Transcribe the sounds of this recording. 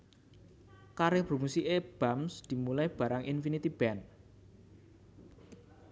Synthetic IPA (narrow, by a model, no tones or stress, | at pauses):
kaɾepɾo̤musiʔeb̥amsd̪̥i̤mulaib̥ä̤ɾaŋʔinfinit̪ib̥ɛn